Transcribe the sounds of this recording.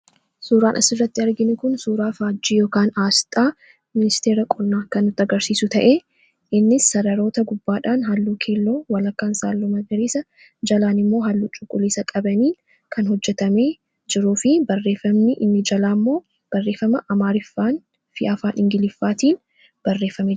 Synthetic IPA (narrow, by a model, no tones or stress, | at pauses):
suːɾaːnʔɐ̰sɪrːɐt̪ːɪɐɾɡɪnɪkʊnsuːɾaːfaːd͡ʒːiːjoːkaːnaːst̪ʼaː | mɪnɪst̪eːɾɐkʼɔnːaːkɐnːʊt̪ːɐɡɐɾsiːsʊt̪ɐʔeː | ʔɪnːɪsːɐɾɐɾo̞ːt̪ɐɡʊbːaːᶑaːnɦɐlːuːkʰe̞ːlːo̞ːwɐlɐkːaːnsaːlːʊmɐɡɐɾeːsɐ | d͡ʒɐlaːnɪmːo̞ːɦɐlːuːt͡ʃʼʊkʼːʊliːsɐkʼɐbɐniː | kʰɐnhɔd͡ʒːɛt̪ɐmeː | d͡ʒɪɾuːfɪbɐrːe̞ːfɐmnɪʔɪnːɪd͡ʒɐlaːmːo̞ː | b̥ɐrːe̞ːfɐmɐʔɐmaːɾɪfːaːn | fɪʔɐfaːnɪŋɡɪlɪfːaːt̪iːn | b̥ɐrːe̞ːfːɐme